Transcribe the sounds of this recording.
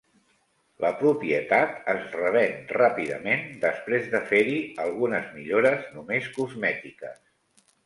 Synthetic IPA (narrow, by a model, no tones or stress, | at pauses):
ləpɾupiət̪at̪əzrəβɛnrapiðə̰mend̪əspɾezðəfeɾiəlˠɣunəzmiʎoɾəznumeskuzmɛt̪ikəs